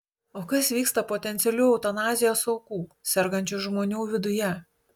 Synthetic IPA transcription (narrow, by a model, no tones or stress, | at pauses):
oːkɐsʋʲiːkst̪ɐpoːt̪ʲɛnʲt̪sʲɛlʲuːɐʊt̪ɐnɑːzʲɪjoːsɐʊkuːsʲɛɾɡɐnʲt͡ʃʲʊʒmoːnʲuːʋʲɪd̪ʊjɛ